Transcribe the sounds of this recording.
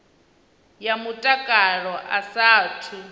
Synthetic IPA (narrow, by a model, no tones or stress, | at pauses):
jamutʼakʼaɺɔʔasaːtʰu